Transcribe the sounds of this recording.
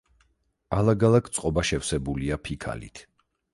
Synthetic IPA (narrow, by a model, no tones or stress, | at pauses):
alˠaɡalˠakʰt̪sʼqʼɔbaʃɛfsɛbuliapʰikʰa̰lḭt̪ʰ